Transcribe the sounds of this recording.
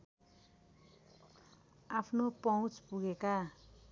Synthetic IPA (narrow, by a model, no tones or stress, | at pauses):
apʰnopʌw̃t͡spuɡeka